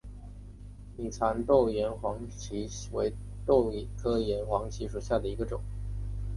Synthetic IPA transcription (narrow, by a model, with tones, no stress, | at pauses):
ni˨˩t͡sʰa˧˥nt̪o˥˩ʊjɛ˧˥nxwɑ˧˥ŋt͡ɕʰi˧˥we˧˥ɪ | t̪o˥˩ʊkʰɤ˥jɛ˧˥nxwɑ˧˥ŋt͡ɕʰi˧˥ʂu˨˩ɕja˥˩d̪ə˩i˧˥ɡə˧ʈ͡ʂʊ˨˩˦ŋ